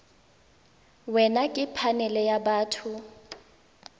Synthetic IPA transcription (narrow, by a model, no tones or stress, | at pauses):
wɛnakʼɪpʰanɛlɛjabaːtʰʊ